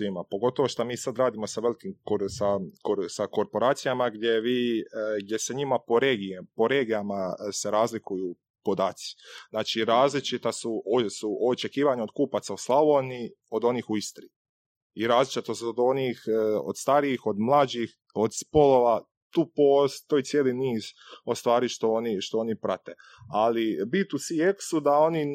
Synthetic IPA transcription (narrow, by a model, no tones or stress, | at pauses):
sʋimapo̞ɡo̞t̪o̞ʋoʃt̪amiːsad̪ɾaːd̪imo̞saʋe̞likimkoɾsakoɾsako̞ɾpo̞ɾaːt̪sijamaɡd̪je̞ʋiːɡ̚d̪je̞seɲimapo̞ɾeːɡipo̞ɾe̞ːɡijamase̞ɾaːzlikuju | po̞d̪aːt̪si̥znaːt͡ʃiɾaːzlit͡ʃit̪asuosuoot͡ʃe̞kiːʋaɲeo̞d̪kuːpat̪sauslˠaʋoni | o̞d̪o̞niːxuist̪ɾi | iɾaːzlit͡ʃit̪osuod̪o̞nixo̰d̪̥st̪aɾiixo̞d̪mlˠad͡ʒix | od̪spo̞lo̞ʋa | t̪uːpost̪o̞it̪sjeːliniːzost̪ʋaːɾiʃt̪o̞oniʃt̪o̞onipɾat̪e | alibit̪usieksud̪ao̞ni